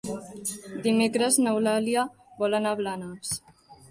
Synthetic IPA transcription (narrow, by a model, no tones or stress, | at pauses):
d̪imekɾəznəwlalia | βɔlanaβlanas